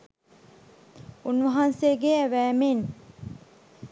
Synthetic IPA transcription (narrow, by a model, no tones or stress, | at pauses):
unʋɐɦanseːɡeæʋæːmen